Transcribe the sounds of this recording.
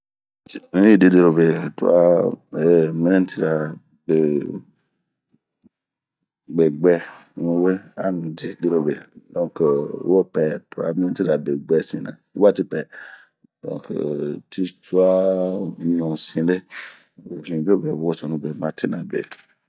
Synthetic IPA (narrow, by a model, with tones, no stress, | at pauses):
ũ˨˦i˦˨di˨˧˦de˧ɾo˧be˨tu˦a̰˦e˨mĩ˦nẽ˦ti˦ɾa˨ | be˨ | ɡ͡be˨ɡ͡bɛ˧˨nũ˧˦we˦a˦nũ˨di˧de˧˨ɾo˧be˨dɔ̃˧˦kwo˦˨pɛ˧tu˦a̰˧mĩ˦ɛ̃˦ti˦ɾa˨be˨ɡ͡bɛ˧sĩ˧˦nã̰˨i˦wa˦˨ti˧˦pɛ˨ | dɔ̰̃˧˨kti˦t͡ʃu˦a˦ | nɔ̃˨sĩ˧le˦ | o˨ĩ˨be˦˨be˨wo˨˦wo˦sɔ̃˨nũ˧˦be˨mã˧˦te˦nã˨bḛ˨